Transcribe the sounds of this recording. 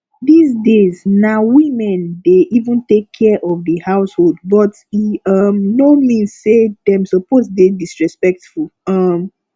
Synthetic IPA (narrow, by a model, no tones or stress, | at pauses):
ðizdeznawĩmɛ̃ndeʔivũntekʰːɛʔɔvðəhaʊsholˠd̚bɔt | iʌmnomĩnzsedãmsɔpozdedisɹɛspɛk̚tfulˠʌm